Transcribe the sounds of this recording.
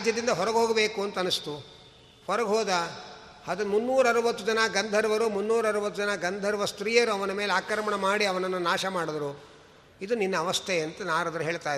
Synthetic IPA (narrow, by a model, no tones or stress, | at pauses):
ad͡ʒjɐd̪ind̪ɐɦɔɾɐɡɦoːɡɐbeːkuɐnt̪ɐɐnːust̪u | hɔɾɐɡɦoːd̪ɐ | hɐd̪umunːuːɾɐɾuʋɐt̪ːud͡ʒɐnɐɡɐnd̪ʱɐɾuʋɐɾumunːuːɾɐɾuʋɐt̪ːud͡ʒɐnɐɡɐnd̪ʱɐɾuʋɐst̪ɾiːjɐɾuɐʋɐnɐme̞ːleaːkɾɐɾɐmɐɳɐmaːɽiɐʋɐnɐnːunaːʃɐmaːɽd̪ɐɾu | id̪uninːɐːʋɐst̪ʰeɐnt̪ɐnaːɾɐd̪ɐɾuɦeːɭt̪aːji